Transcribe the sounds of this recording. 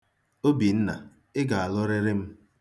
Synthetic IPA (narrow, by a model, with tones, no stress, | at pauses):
o˦bi˨n̩˦na̰˨ | ɪ˦ɡa˨a˨lɔ˦ɾɪ˦ɾɪ˦m̩˦